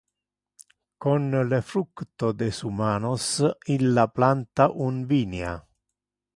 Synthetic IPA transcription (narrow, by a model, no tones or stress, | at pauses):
konlefɾukt̪od̪esumaːnosilːaplant̪aʔunviːnea̰